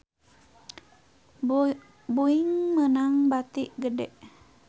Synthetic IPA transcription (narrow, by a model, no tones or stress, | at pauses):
buiŋmənaŋbat̪iʔɡədɛʔ